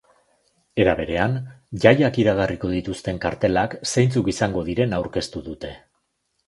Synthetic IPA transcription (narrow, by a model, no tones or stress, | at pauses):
e̞ɾaβ̞e̞ɾe̞anʝajakiɾaɣariko̞ð̞it̪ust̪e̞ŋkaɾt̪e̞laksejnt͡sukisaŋɡo̞ð̞iɾe̞nawɾke̞st̪uðut̪e̞